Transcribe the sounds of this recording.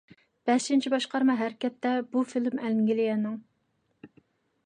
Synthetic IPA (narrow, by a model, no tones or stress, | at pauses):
b̥ɛʃɪnt͡ʃʰibɑʃqɑɾmɑɦæɾkʲɛt̪ːɛbufilmɛlŋɡʲilɪjɛnːɨŋ